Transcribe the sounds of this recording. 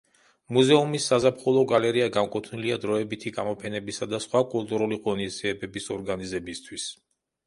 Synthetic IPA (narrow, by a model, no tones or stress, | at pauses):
muzɛumisːazapχulˠɔɡalɛɾiaɡamkʼut̪ʰniliad̪ɾɔɛbit̪ʰiɡamɔpʰɛnɛbisad̪asχwakʼulˠt̪ʼuɾuliqʼɔnizd̪ziɛbɛbisɔɾɡanizɛbist̪ʰwis